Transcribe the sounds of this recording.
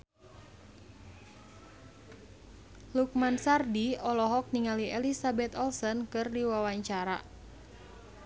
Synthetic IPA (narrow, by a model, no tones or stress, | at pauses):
luk̚mansardiɔlɔɦɔk̚niŋaliɛlisabɛt̪ɔlsɔnkɨrdiwawaɲt͡ʃaɾa̰